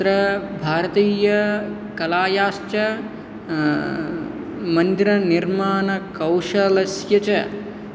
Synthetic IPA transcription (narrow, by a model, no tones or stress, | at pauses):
ɾɐbʱaːɾɐt̪iːjɐ | kɐlaːjaːʃt͡ʃɐ | mɐnd̪iɾɐniɾmaːnɐkɐwʃɐlɐsjɐt͡ʃɐ